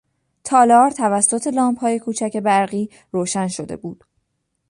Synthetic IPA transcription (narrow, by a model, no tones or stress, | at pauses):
t̪ʰɒːlɒːɾt̪ʰævæsːo̞t̪ʰe̞lɒːmphɒːje̞kʰuːt͡ʃʰæce̞bæɾɢiː | ɾoːʃænʃod̪e̞̰buːd̪̥